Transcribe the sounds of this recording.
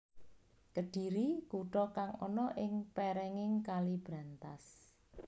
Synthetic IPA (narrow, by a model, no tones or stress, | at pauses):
kəɖ̥i̤ɾikuʈɔkaŋɔnɔʔɪŋpɛɾɛŋɪŋkalib̥ɾant̪as